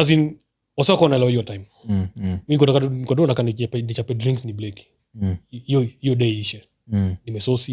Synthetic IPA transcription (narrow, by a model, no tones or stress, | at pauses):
azin | wasakɔanaɛlawaiwɔtaim | minikɔtakaikɔdɔɔnakaniɛpɛnit͡ʃapɛdɾĩŋksniblɛki̥ | hiɔhijɔɗɛiʃɛ | nimɛsɔsi